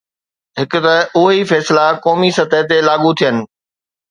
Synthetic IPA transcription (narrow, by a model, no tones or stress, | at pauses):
ɦɪkʊ̆t̪ɐʊɦifɛːslakɔːmisɐt̪ət̪elaːɠut̪ʰijənɪ̆